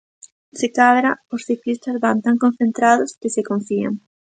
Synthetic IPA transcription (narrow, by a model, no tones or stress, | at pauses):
sɪkaðɾaʊsθiklist̪ɐzβant̪aŋkõn̟θẽnt̪ɾaðʊskɪsɪkõɱfia̰ŋ